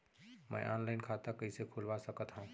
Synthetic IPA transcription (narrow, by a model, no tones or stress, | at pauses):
mə̰̃jʔanlaɪnkʰat̪akəisekʰulʋasəkət̪ɦã